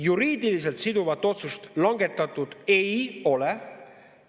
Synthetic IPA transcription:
juɾiːd̪ilis̬e̞lt̪sid̪uvɑt̪ːˑo̞t̪sust̪lɑŋɡe̞t̪ːˑɑt̪ːˑud̪̥e̞jo̞le

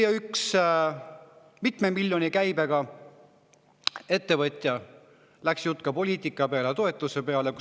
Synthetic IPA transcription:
jɑyks | mit̪me̞milʲjo̞nʲikæjbe̞ɡ̥ɑ | e̞t̪ːe̞vɤt̪ʲˑjɑ | læksjut̪ːˑkɑpo̞lʲiːt̪ʲˑikːˑɑpe̞ɑlet̪o̞e̞t̪ːˑuse̞pe̞ɑle̞ku

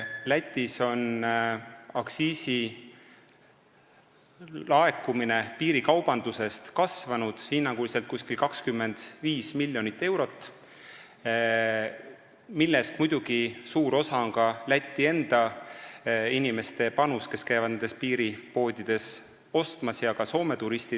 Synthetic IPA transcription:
læt̪ʲːˑiso̞n | ɑksiːsi | lɑe̞kːˑumine̞piːɾikɑwb̥ɑnd̪̥use̞st̪kɑsvɑnud̪̥hinːɑŋɡuliselt̪̚kuskilʲkɑkskymːe̞nd̪̥viːsmilʲːjo̞nit̪ːe̞wɾo̞t̪ːˑ | milːe̞st̪mujd̪̥uɡ̥isuːɾo̞sɑoŋkɑlæt̪ʲˑːie̞nd̪̥ɑ | inʲime̞st̪e̞pɑnuske̞skæjvɑd̪ned̪espiːɾipo̞ːd̪̥ʲid̪̥e̞s | o̞st̪mɑsjɑkɑso̞ːme̞t̪uɾist̪i

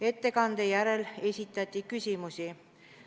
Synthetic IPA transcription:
e̞t̪ːe̞kɑnd̪̥e̞jæɾe̞le̞sʲit̪ˑːɑt̪ʲːˑikysʲimusʲi

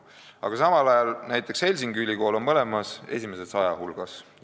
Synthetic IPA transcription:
ɑ̰ɡ̥ɑsɑmɑlɑjɑlnæjt̪ːˑekshe̞lʲs̬iŋɡ̥ylʲːiko̞ːlo̞nmɤle̞mɑse̞̰sʲime̞se̥sɑjɑhulɡ̥ɑs

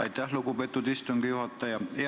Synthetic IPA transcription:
ɑ̰itt̪æhlukupet̪ːˑut̪ist̪uŋɡ̥ijuhɑt̪ːɑjɑe

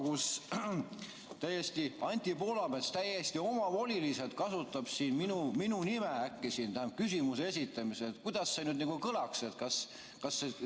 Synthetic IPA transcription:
kus | t̪æjest̪iɑnʲt̪ʲipo̞ːlɑbet̪st̪æjest̪io̞mɑvo̞lʲilise̞t̪̚kɑsut̪ːˑɑb̥siːnminuminunimeækˑːisiːnt̪æhæmp̚kysʲimusees̬ʲit̪ːˑɑmiseet̪̚kujd̪̥ɑsːenyd̪nikukɤlɑkse̞t̪kɑs | kɑsːe

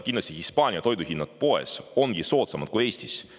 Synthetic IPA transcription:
kinlɑst̪ihispɑːnʲiɑt̪o̞jd̪uhinːɑd̪̥̚po̞e̞̰so̞ŋɡ̥iso̞ːt̪sɑmɑd̪̥kuje̞ːst̪is

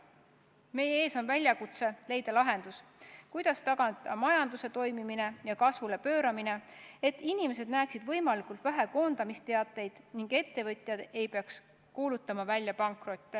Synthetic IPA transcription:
me̞jee̞ːso̞nvælʲjɑkut̪se̞le̞jd̪̥ɑlɑɦe̞nd̪uskujd̪̥ɑst̪ɑɡɑnd̪ɑmɑjɑnd̪use̞t̪o̞jmimine̞jɑkɑsvule̞pø̞ːɾɑmine̞e̞t̪ːˑinime̞se̞d̪̥næːksid̪̥vɤjmɑlikult̪væɦe̞ko̞ːnd̪̥ɑmist̪e̞ɑt̪ːˑe̞jd̪̥niŋɡ̥e̞t̪ːe̞vɤt̪ʲˑjɑd̪̥e̞jpe̞ɑks | kuːlut̪ːˑɑmɑvælʲjɑpɑŋkro̞t̪ʲːe

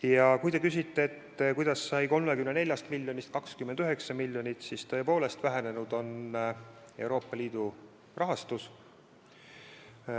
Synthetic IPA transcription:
jɑkujt̪e̞kys̬ʲit̪ːe̞et̪ːkujd̪̥ɑsːɑjko̞lmekymnene̞lʲjɑst̪milʲːjo̞nist̪̚kɑkskymːend̪yɦe̞ksɑmilʲːjo̞nʲit̪sist̪ɤ̞ːepo̞ːle̞st̪væɦene̞nud̪̥o̞n | e̞wɾo̞ːpˑːɑlʲiːd̪̥u | rɑɦɑst̪us

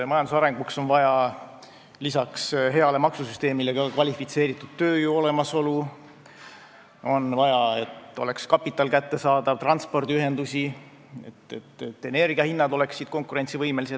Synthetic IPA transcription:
mɑjɑnd̪usɑɾe̞ŋɡ̥ukso̞nvɑjɑ | lisɑksɦe̞ɑle̞mɑksusyst̪e̞ːmile̞ɡɑkvɑlʲifit̪se̞ːɾit̪ːˑud̪̥̚t̪ø̞ːjuo̞le̞mɑso̞lu | o̞nvɑjɑe̞t̪ːˑo̞̰le̞kskɑpːˑit̪ˑːɑlkæt̪ːe̞sɑːd̪ɑvt̪rɑnt̪spo̞rd̪iyɦe̞nd̪usʲi | ḛt̪ːet̪ːet̪ːe̞ne̞rɡ̥iɑhinːɑd̪o̞le̞ksːid̪̥ko̞ŋkˑuɾe̞nʲtsivɤjme̞lise

